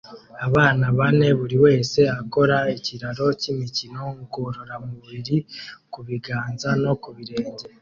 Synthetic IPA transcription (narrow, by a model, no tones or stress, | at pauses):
aβaːnaβane̞βuɾiwe̞ːse̞ako̞ɾaiciɾaɾo̞cimicino̞ŋɡuɾoɾamuβiɾikuβiɡaːnzano̞kuβiɾe̞ːɲɟe